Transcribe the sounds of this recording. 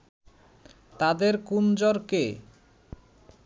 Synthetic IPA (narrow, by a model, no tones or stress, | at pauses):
t̪ad̪eɾkund͡ʑoɾke